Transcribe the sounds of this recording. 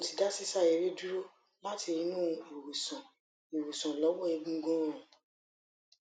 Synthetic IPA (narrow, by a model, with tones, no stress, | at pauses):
õ˨ti˨da˦si˦sa˦˨e˨ɾe˦du˦ɾo˦ | la˦ti˧ĩ˦nũ˦e˨wu˨sɔ̃˨ | e˨wu˨sɔ̃˨lɔ˨˦wɔ˦e˧ɡũ˦˧ɡɔ̃˦˨